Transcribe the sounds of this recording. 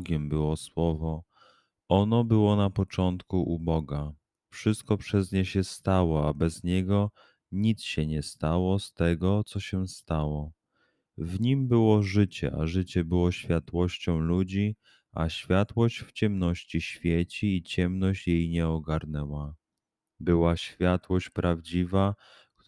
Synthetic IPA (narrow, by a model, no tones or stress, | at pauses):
ɡʲɛmbɘwɔswɔvɔ | ɔnɔbɘwɔnapɔt͡ʂɔnt̪kuʔubɔɡa | fʂɘst̪̚kɔpʂɛzɲɛɕɛst̪awɔabɛzɲɛɡɔ | ɲit̪sɕɛɲɛst̪awɔst̪ɛɡɔt̪sɔɕɛst̪awɔ | vɲimbɘwɔʐɘt͡ɕɛ̰ʔa̰ʐɘt͡ɕɛbɘwɔɕfʲjat̪wɔɕt͡ɕɔ̃w̃lud͡ʑi | ʔa̰ɕfʲjat̪wɔɕt͡ɕft͡ɕɛmnɔɕt͡ɕiɕfʲjɛt͡ɕiːt͡ɕɛmnɔɕt͡ɕjejɲɛɔɡaɾnɛwa | bɘwaɕfʲjat̪wɔɕt͡ɕpɾavd͡ʑiva | k